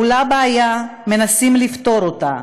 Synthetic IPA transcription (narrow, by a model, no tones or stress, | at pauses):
ulabaːja | me̞nasimlift̪o̞ɾota̰